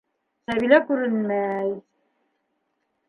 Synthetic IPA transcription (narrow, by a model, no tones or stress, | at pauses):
sæβilækʉɾɘnmæj